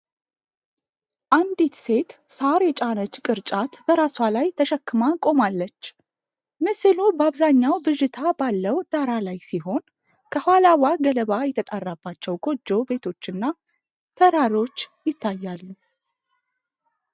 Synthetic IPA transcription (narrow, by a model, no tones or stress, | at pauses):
ʔand̪it̪se̞t̪saɾjɛt͡ʃʼanət͡ʃkʼɨɾt͡ʃʼat̪b̥əɾaswalajt̪ʰəʃəkːɨmakʼo̞malːət͡ʃː | mɨsɨlubəaβzaɲːawbɨʒɪt̪ʰabalːəwd̪̥aɾalajsiɦo̞n | kʰəhalawaɡələβajɛt̪ʰət̪ʼarːabːat͡ʃːɛwɡʰo̞d͡ʒːo̞be̞t̪ʰo̞t͡ʃːɨnːa | t̪ʰəɾaɾo̞t͡ʃːjɪt̪ʰːajːalːu